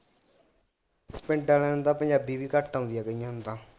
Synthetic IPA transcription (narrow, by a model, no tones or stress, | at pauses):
pɛ̃ɳʈaːlɛ̃ːnt̪ãːpəɲd͡ʒaːbiːbiːkəʈʰːaʊ̃nd̪ɪjaːkəijãːnt̪ãː